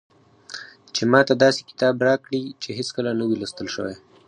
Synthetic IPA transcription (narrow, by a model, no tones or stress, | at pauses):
t͡ʃemɑt̪ad̪ɑse̥kɪ̥t̪ɑbɾɑkɽit͡ʃeɦeskəlanəwilast̪əlʃə̰wḛj